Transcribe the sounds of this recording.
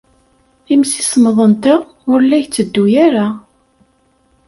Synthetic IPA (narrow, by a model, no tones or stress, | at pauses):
imsi̥sməðˤənt̪a | ʊɾlːæjt͡sːəd̪ːujæɾa